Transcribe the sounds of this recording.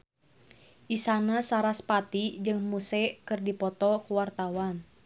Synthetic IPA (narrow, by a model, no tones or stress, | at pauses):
ʔisanasaɾaspat̪id͡ʒɨŋmusɛkɨrdipɔt̪ɔkuwart̪awan